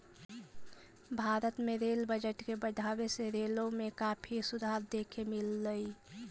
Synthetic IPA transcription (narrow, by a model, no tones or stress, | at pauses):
bʱaɾət̪meɾelbəd͡ʒəʈkebəɖʱabeseɾelomekapʰisud̪ʱaɾd̪ekʰemilːəj